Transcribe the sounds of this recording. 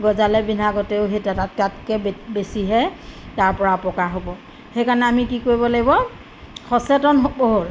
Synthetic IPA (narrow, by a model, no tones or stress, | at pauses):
ɡɔzalɛbinaɡɔteʊɦetatat̚katkɛbesiɦɛtaɹpɔɹapɔkaɦobɔ | xejkaɹnɛamikikoɹibɔlaɡibɔ | xɔsɛtɔnɦboɦoɹ